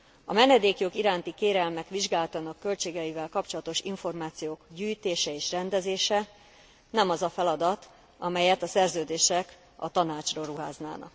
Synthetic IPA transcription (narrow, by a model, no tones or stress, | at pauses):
ɒ̰mɛnɛd̪eːkjo̞ɡiɾaːnt̪ikeːɾɛlmɛkʋiʒɡaːlt̪ɒnɒkːø̞lt͡ʃeːɡɛivɛlkɒpt͡ʃo̞lɒt̪o̞ʃiɱfo̞rmaːt̪sijoːkɟyːjt̪eːʃɛeːʃrɛnd̪ɛzeːʃɛ | nɛmɒzɒfɛlɒd̪ɒt̪ | ɒmɛjɛt̪ɒsɛrzøːd̪eːʃɛk | ɒ̰t̪ɒnaːt͡ʃroːruɦa̰ːzna̰ːnɒ̰k